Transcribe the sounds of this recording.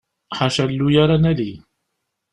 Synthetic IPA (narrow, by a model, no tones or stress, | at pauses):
ħaʃælːujaɾˤanæli